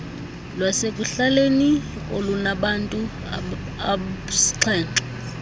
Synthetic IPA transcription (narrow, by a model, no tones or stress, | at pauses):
lwasekʼuɬaleni | olunaɓantʼu | asi̥ǁʰɛːǀa